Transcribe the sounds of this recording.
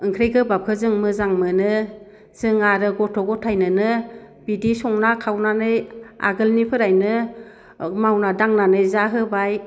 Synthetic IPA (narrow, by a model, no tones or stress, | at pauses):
ɯŋkʰɾejɡɯbap̚kʰɯzɯŋmɯzaŋmɯnɯ | z̥ɯŋaɾɯɡɔtʰɔɡɔtʰajnɯnɯ | b̥idisɔŋnakʰawnanɯja̰ɡɯlnipʰɯɾajnɯ | mawnadaŋnanɯjzaɦɯbaj